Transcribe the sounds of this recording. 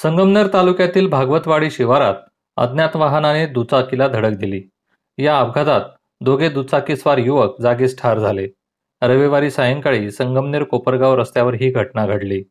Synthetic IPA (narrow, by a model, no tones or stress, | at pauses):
səŋɡəmnəɾt̪alukjat̪iːlbʱaɡʋət̪ʋaɽiːɕiʋaɾa̰t̪̚ | ə̰d̪njat̪ʋaɦənaned̪ut͡sakilad̪ʱəɽək̚d̪ʱiliː | jaəbɡʱad̪at̪̚ | d̪oɡed̪ut͡sakisʋaɾjuʋək̚d͡zaɡesʈʰaɾd͡zʱale | ɾəʋeʋaɾiːsajəŋkaɭiːsəŋɡəmneɾkopəɾɡawɾəst̪jaʋəɾɦiːɡʱəʈnaɡʱəɽliː